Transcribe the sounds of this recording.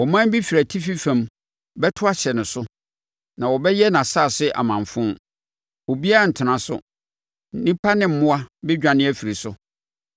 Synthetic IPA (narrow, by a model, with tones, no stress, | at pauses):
ɔ˨mã˦n˦bi˦fi˨ɾæ˨tʰi˦fi˦fã˨m | bɛ˦tʰʊ˦a˦ɕɛ˨nʊ̃˨sʊ˦ | nã˨wɔ˨bɛ˦jɛ˦nã˨saː˦˨sɪ˦ʔa̰˨mã˨ɱfʊ̃˦ | o˨bi˦a˦˨n̩˨tʰɪ˨nã˨sʊ̰˦ | nĩ˦pʰa˦nɪ̃˦m̩˨mʊ̃˦a˦bɪ˦d͡ʑᶣã˨nɪ̃˦æ˦fi˨ɾi˨sʊ˦